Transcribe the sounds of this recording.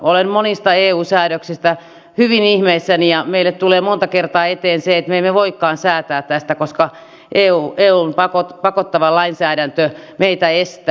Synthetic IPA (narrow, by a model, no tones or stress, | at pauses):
olemmonist̪ɑeːuːsæːɾøksist̪æ | hyʋinihmeisːænijɑmeilːet̪t̪uleːmont̪ɑkert̪ɑːet̪eːnseet̪memːeʋoikːɑːnsæːt̪æːt̪t̪æst̪ækoskɑ | ʔeːuːʔeːuːmpɑkot̪pɑkot̪ːɑʋɑlɑinsæːɾænt̪ømeit̪æest̪æ